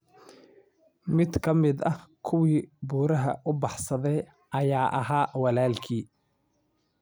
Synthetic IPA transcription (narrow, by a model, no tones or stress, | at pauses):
mɪd̪kʰɐmɪd̪ɐkʰʊwiːbuːɾɐɦɐ̰ʔʊbɑħsɐðɛj | ʔɐjaːʔɐɦaːwɑlaːlkʰiː